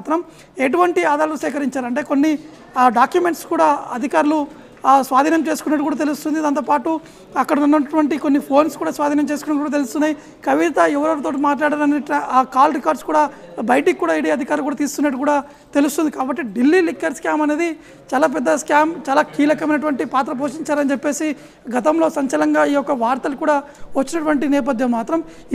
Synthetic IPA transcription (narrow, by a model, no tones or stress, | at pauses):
t̪ɾɐm | eʈ̬uʋɐɳʈiaːd̪aːɾɐlusɛːkɐɾiɲt͡ʃaːɾɐɳʈe̞ːko̞nːi | ɖaːkjume̞ɳʈskuːɽaːɐd̪ʱikaːɾulu | sʋaːd̪ʱiːnjɐmt͡ʃeːsu̥kunːɐʈ̬ːkuːɽaːt̪elust̪und̪id̪ɐnt̪oːpaːʈu | ɐkːɐɽɐunːɐʈʋɐɳʈikonːipʰo̞ːnskuːɽaːsʋaːd̪ʱiːnɐmt͡ʃeːsukunːɐkːʈːkuɽat̪elust̪unːaji | kɐʋit̪ɐɛʋɐɾɐʋɐɾɐt̪oːʈ̬umaːʈ̬laːɽaːɾɐneːd̪ikaːlɾikaːɾɖskuːɽaːbɐjʈikːuːɽaːiːɽiːɐd̪ʱikaːɾɐmkuːɽaːt̪iːsu̥t̪unːɐʈːukuːɽaː | t̪e̞lust̪und̪ikaːbɐʈːiɖilːilikːɐɾskaːmɐne̞ːd̪i | t͡ʃaːlaːp̬ɛd̪ːɐskaːmt͡ʃaːlaːkiːlɐkɐmɐjnɐʈ̬uʋɐɳʈipaːt̪ɾɐp̬o̞ːʂiɲt͡ʃaːɾɐnit͡ʃepːe̞ːsi | ɡɐt̪ɐmlo̞ːsɐɲt͡ʃɐlɐŋɡaːiːjɔkːɐʋaːɾt̪ɐlukuːɽaː | ʋɐt͡ʃːinɐʈuʋɐɳʈinɛːp̬ɐd̪ʱjɐmːaːt̪ɾɐm